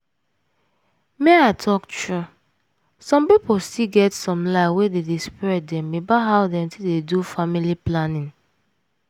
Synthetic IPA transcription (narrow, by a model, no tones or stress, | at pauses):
meaɪtʰɔktɹu | sɔ̃mpipostiɡɛtsɔ̃mlaɪwededispɹɛt̚dɛ̃mːebaɦaʊdɛ̃mtidedufamiliplanĩn